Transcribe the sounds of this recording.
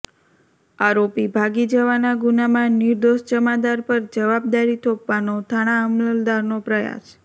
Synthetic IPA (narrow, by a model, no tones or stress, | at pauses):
aɾopibʱaɡid͡ʒəʋanaɡunamãnɪɾd̪oʃd͡ʒəmad̪aɾpəɾd͡ʒəʋab̚d̪aɾit̪ʰopʋanot̪ʰaɽ̃aəmləld̪aɾnopɾəja̰s